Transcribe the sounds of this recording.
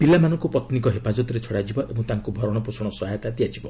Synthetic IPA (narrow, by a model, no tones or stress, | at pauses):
pilamanɔ̃ŋkupɔt̪nikɔɦepad͡ʒɔt̪ɔɾet͡ʃʰɔɽad͡ʒibɔʔebũt̪aŋkubʱɔɾɔɽ̃ɔpɾusɔɽ̃ɔsɔɦajɔt̪ad̪iad͡ʒibɔ